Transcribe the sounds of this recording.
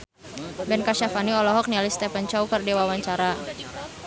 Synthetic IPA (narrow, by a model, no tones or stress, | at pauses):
bɛnkaʃafaniɔlɔɦɔk̚nialist̪ɛpant͡ʃaukərdiwawaɲt͡ʃaɾa